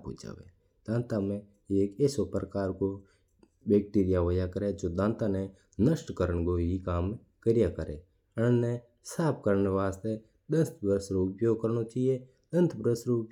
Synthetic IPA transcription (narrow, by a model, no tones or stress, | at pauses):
po̰d͡ʒa̰ːʋḛ | d̪̥ãːnt̪amẽ | eːkesopɾəkaːɾko | beːk̚ʈiːɾɪjaʋəjakəɾed͡ʒoːd̪ãːnt̪ane | nəʃʈkəɾəɳ̃koɦikaːm | kəɾɪjakəɾe | əne | saːp̚kəɾneʋaːst̪e | d̪ə̃nt̪ʰbɾəsɾoʊpjoːɡ̚kəɾnot͡ʃaːɦije | d̪ə̃nt̪ʰbɾəsɾop